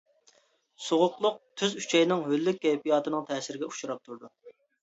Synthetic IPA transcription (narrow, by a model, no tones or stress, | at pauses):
soʁʊqlˠʊq̚t̪ʰyzyt͡ʃʰɛjnɪŋɦølːykʲːɛjpijɑːt̪ʰɨnɨŋt̪ʰɛːsɪɾɪɡʲɛu̥ʃuɾɑp̚t̪ʰuɾd̪u